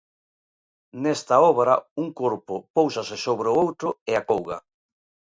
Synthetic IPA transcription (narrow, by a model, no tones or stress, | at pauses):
nɛst̪aɔβɾauŋkoɾpʊpowsɐsɪsoβɾeʊowt̪ɾʊɪakowɣɐa̰